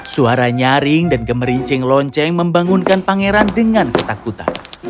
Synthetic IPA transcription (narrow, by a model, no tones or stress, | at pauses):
suaɾaɲaɾɪŋdanɡəməɾiɲt͡ʃɛŋlɔɲt͡ʃɛŋməmbaŋunkanpaŋeɾandəŋankət̪akut̪a̰n